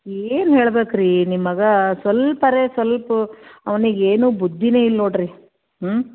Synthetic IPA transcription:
eːnɦeːɭbeːkɾiːnimːɐɡɐsʋɐlpɐɾesʋɐlpɐɐʋɐniɡeːnuːbud̪ʱːineːilːoːɽɾi

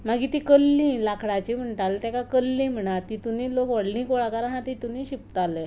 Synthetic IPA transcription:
maɡiːt̪ikəlːĩlakʰɽat͡ɕim̤əɳʈalt̪ɛkakəlːĩm̤əɳ̃at̪it̪uniːlokʋəɽlĩːkoɭakaɾaɦãt̪it̪unĩɕip̚t̪ale

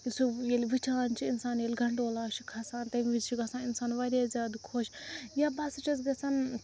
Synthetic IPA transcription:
sujelʋit͡ʃʰaːnt͡ʃʰiinsaːnjelʲɡʱɐɳɖoːlaːt͡ʃʰikʰɐsaːnt̪ɐmʋid͡ʒt͡ʃʰiɡasãːninsaːnʋɐɾʲezʲaːd̪ukʰoːʃjabɐst͡ʃɐz̬ɡɐsan

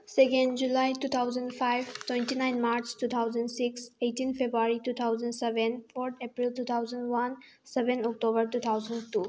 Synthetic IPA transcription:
sekẽnɖd͡ʒulajtut̪ʰawzəndpʰajbtwẽntinajnmaɾt͡ʃtut̪ʰawzənɖsikseʈinpʰebɾuaɾitut̪ʰawzənsebenpʰoɾt̪ʰepɾiltut̪ʰawzəndwan | sebẽnɔk̚ʈobəɾtut̪ʰawzəntu

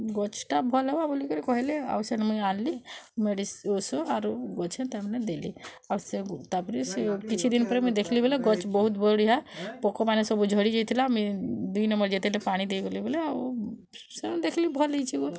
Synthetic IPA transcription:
ɡɔt͡ʃʰʈabʱɔlɦewabolikəɾikɔɦelea̰bsenmuaːnlimeɖisosoaɾoɡɔt͡ʃʰẽt̪ɐmned̪elḭ | aset̪apɾisekit͡ʃʰid̪inpəɾemẽd̪ekʰlibeleɡɔt͡ʃbɔɦut̪bɔɽiɦapɔkomanesɔbud͡ʒʱəɽid͡ʒit̪ʰilamid̪uinəmbəɾd͡ʒit̪ʰilepaːɽ̃id̪eɡolibeleo | sed̪ekʰlibʱɔliit͡ʃʰiɡo

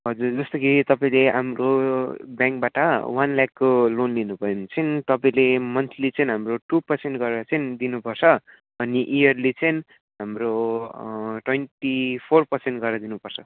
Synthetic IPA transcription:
ɦʌd͡zurd͡zʌst̪ʌkit̪ʌpaĩleɦa̰mrobjãŋkbaʈʌwanlakːolonlinubʱʌjont͡sʌjnt̪ʌpaĩlemʌnt̪ʰilit͡sʌinɦamroʈupʌrseɳʈɡʌɾɾʌt͡sʌind̪inupʌrt͡sʰʌ | ʌniʔijʌrlet͡sʌjn | ɦamro | ʈwenʈipʰorpʌrseɳʈɡʌɾɾʌd̪inupʌrt͡sʰʌ

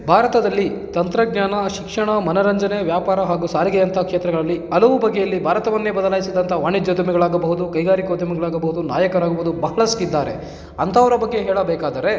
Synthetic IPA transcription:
bʱaːɾɐt̪ɐd̪ɐlːit̪ɐnt̪ɾɐɡnjaːnɐʃikʂɐɳɐmɐnɐɾɐɲd͡ʒɐne̞ʋjaːpaːɾɐɦaːɡusaːɾiɡɛjɐnt̪ʰɐkʂeːt̪ɾɐɡɐɭɐlːiɐlɐʋubɐɡːejɐlːibʱaːɾɐt̪ɐʋɐnːeːbɐd̪ɐlaːjisid̪ɐnt̪ʰɐʋaːɳid͡ʒoːd̪jɐmɛɡɐɭaːɡɐbɐɦud̪ukɐjɡaːɾikoːd̪ɐmɛɡɐɭaːɡɐbɐɦud̪una̰ːjɐkɐɾaːɡɐbud̪ubɐɦɐɭɐskid̪ːaːɾe̞ | ɐnt̪ʰɐʋɐɾɐbɐɡːe̞ɦɛːɭɐbɛːkaːd̪ɐɾe̞

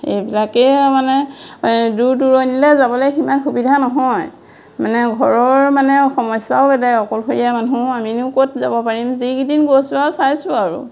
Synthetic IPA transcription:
ḛjbilakɛmanɛ | duɹduɹɔjnilɛzabɔlɛjximanxubidʱanɔɦɔj | manɛɡʱɔɹɔɹmanɛɔxɔmɔsaʊbɛdajɔkɔlxʰoɹijamanũaminikotzabɔpaɹimzikidinɡosasajsʊaɹṵ

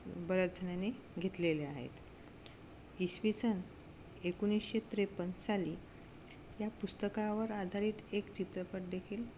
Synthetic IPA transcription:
bəɾəd͡zʱənjane | ɡʱet̪leleaɦḛt̪ | isʋit͡sən | ekunisɕet̪ɾepənsaliː | japust̪əkaʋəɾad̪ʱaɾiːt̪ekt͡ɕit̪ɾəpəʈ̚d̪ekʰiːl

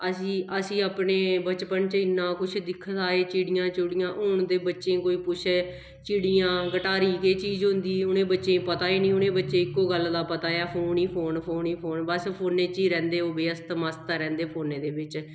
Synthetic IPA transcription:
əsĩːəsĩːaːpneːbət͡ʃpənt͡ʃəɪnãːkʊt͡ʃʰd̪ɪkʰːt̪aːeːt͡ʃiːɽɪjãːt͡ʃʊɽɪjãːʔʊɳd̪eːbətːʃẽːkoːiːpʊt͡ʃʰeː | t͡ʃiːɽijãːɡəʈaːɾiːkeːt͡ʃiːzɦʊnd̪iːʊnẽːbətːʃẽːpət̪aːiːnĩːʊnẽːbətːʃeːɪkːoːɡəld̪aːpət̪aːjaːpʰoːniːpʰoːnpʰoːniːpʰoːnbəspʰoːnẽːt͡ʃiːɾɛ̃ːnd̪eːoːbeːəst̪məst̪ɾɛ̃ːnd̪eːpʰoːneːd̪eːbɪt͡ʃ

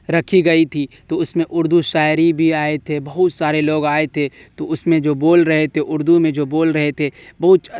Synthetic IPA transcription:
ɾɐkʰiɡɐit̪ʰit̪oʊsmẽʔʊɾd̪uʃaːɪɾibʱiaːet̪ʰebɐɦʊt̪saːɾeloːɡaːet̪ʰet̪oʊsmẽd͡ʒoːboːlɾɐɦet̪ʰeʔʊɾd̪umẽd͡ʒoːboːlɾɐɦet̪ʰebɐɦʊt̪

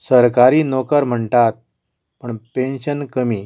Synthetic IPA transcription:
səɾkaɾiːnokəɾm̤əɳt̪at̪̚ | pəɳpenɕənkəmiː

